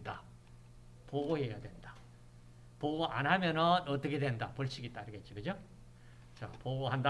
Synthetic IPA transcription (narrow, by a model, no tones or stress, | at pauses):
da | poɡoɦejadwe̞nda | poɡoʔa̰nɦamjʌnʌnʌt͈ʌkʰe̞dwe̞ndapoɭt͡ɕʰiɡit͈aiɾɯɡet̚t͡ɕ͈iɡɯd͡ʑo | t͡ɕapoɡoɦanda